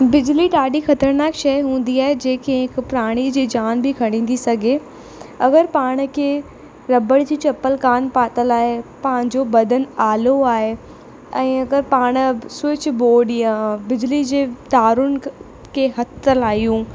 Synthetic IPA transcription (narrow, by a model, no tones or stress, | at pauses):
bɪd͡ʑliɗaːɗixɐt̪əɾnaːkʃɐjɦũːn̆d̪iaːɦed͡ʑẽːkʰẽɦɪkpʊɾaːɽ̃id͡ʑiːd͡ʑaːnbɪkʰɐɽ̃ĩːnd̪isɐɡʱe | ɐɡəɾpaːɽ̃kʰeː | ɾɐbəɽ̃d͡ʑiːt͡ɕɐpəlkaːnpaːt̪əlaːɦepɐ̃ɪ̃ɲd͡ʑobɐd̪ʱənaːloaːɦe | ɛ̃ːɐɡəɾpaːɽ̃sɪt͡ɕboːɗijãbɪd͡ʑlid͡ʑeːt̪aːɾʊn | kʰeːɦɐt̪əlaːijũː